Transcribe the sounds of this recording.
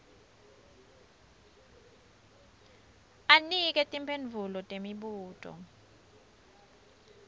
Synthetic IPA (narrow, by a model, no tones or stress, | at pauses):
anik̬ʼɛtʼimpʰenvʱulɔtʼemiɓuːtʼɔ̰